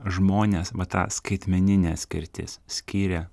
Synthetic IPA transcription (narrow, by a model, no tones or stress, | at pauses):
ʒmoːnʲeːsʋɐt̪ɑ̰ːskɐɪt̪ʲmʲɛnʲɪnʲæːsʲkʲɪɾʲt̪ʲɪ̰ssʲkʲiːɾʲɛ